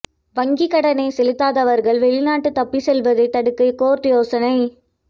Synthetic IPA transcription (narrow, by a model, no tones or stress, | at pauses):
ʋɐŋɡikɐɽɐnɐɪsɛlɯt̪ːaːðɐʋɐɾɣɐɭʋɛɭɪnaːʈːɯt̪ːɐpːisɛlʋɐðɐɪt̪ːɐɽɯkːɐɪkoːɾʈ̪ɪjoːsɐnɐɪ